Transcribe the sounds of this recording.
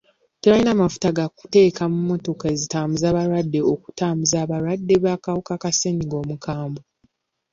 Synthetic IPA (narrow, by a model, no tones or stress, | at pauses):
teɾainaːmafu̥taɡaku̥te̞ːkamumːo̞to̞kaezitaːmbuzaːβaɾwadːe̞oku̥taːmbuzaːβaɾwadːe̞βakawukakase̞ɲiɡo̞ːmukaːmbo